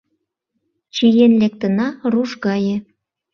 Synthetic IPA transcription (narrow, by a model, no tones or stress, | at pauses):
t͡ɕijenlek̚t̪ənɑruʃɣɑjĕ